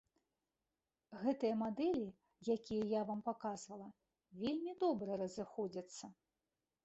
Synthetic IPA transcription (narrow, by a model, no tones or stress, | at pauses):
ɣɛt̪ɨjɐmad̪ɛlʲi | jakʲijɐjavampakazvɐlˠɐ | vʲelʲmʲid̪ɔbɾɐɾɐzɨxɔd͡zʲɐt̪sːɐ